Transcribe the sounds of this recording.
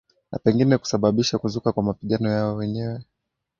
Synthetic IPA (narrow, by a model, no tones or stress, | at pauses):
na̰pɛŋɡinɛku̥saɓaɓiʃakuzukakwamapiɠanɔjaɔwɛɲɛwɛ